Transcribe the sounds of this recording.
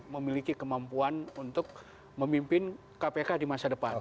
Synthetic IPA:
məmilikikəmampuanunt̪ʊk̚ | məmimpɪn | kapekadimasadəpa

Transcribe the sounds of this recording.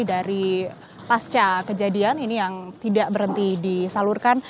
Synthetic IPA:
daɾi | past͡ʃakəd͡ʒadianinijaŋt̪idaʔbəɾɦənt̪idisalurkan

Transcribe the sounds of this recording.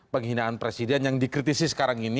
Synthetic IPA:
pəŋɦinaːnpɾesidɛnjaŋdikɾit̪isisə̥kaɾaŋini

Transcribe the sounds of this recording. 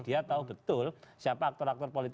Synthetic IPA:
d̥iat̪aʊhbət̪ʊlsiapaːk̚t̪ɔɾak̚t̪ɔrpolit̪

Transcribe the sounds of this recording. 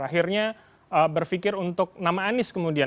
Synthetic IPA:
aɦirɲa | əbərfikɪɾunt̪ʊk̚namaːnɪskəmudia

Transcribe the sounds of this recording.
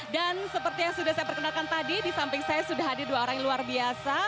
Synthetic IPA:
dansəpərt̪ijaŋsudahsajapərkənalkant̪adidisampɪŋsajasudaɦadɪrduaoɾaŋluarbiasa

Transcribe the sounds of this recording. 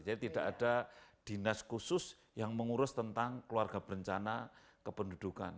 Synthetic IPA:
d͡ʒadit̪idakadad̥inaskusʊs | jaŋməŋuɾʊst̪ənt̪aŋkəluarɡabəɾəɲt͡ʃana | kəpəndud̥uka̰n

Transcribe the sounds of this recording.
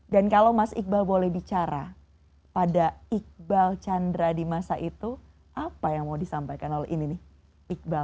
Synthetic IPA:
dankalowmasḭk̚balbolɛhbit͡ʃaɾa | padaik̚balt͡ʃandɾadimasaʔit̪u | ʔapajaŋmaudisampajkanolɛʔininɪh | ik̚bal

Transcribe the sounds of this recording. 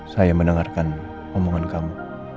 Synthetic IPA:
sajamənəŋarkan | omoŋankamu

